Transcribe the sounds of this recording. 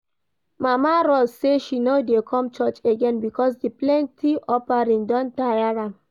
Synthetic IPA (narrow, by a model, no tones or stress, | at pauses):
mamaɹɔseʃinodekʰɔ̃mt͡ʃɔt͡ʃeɡɛ̃nbikɔsdiplɛ̃ntiʔɔpaɹĩŋdɔ̃ntajaɹãm